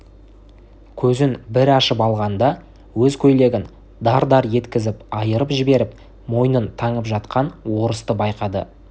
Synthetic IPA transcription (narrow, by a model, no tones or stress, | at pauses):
kʲʰɵzɪnbɪɾɑʃəpɑlˠʁɑnd̪ɑ | wɵzkʲʰɵjle̞ɡʲɪn | d̪ɑɾd̪ɑɾje̞t̪kʲɪzɪpɑjəɾəpʒɪbe̞ɾɪp̚ | mo̞jnənt̪ʰɑɴəpʒɑt̪qʰɑnwo̞ɾəst̪əbɑjqɑd̪ə̰